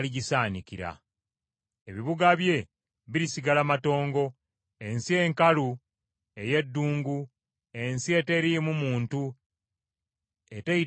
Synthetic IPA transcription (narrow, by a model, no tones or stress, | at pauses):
liɟisaːniciɾa̰ | e̞βiβuɡaβje̞ | βiɾisiɡalamato̞ːŋɡo̞ | e̞nsie̞ːŋkalu | e̞je̞dːuːŋɡu | e̞nsie̞te̞ɾimumuːntu | e̞tei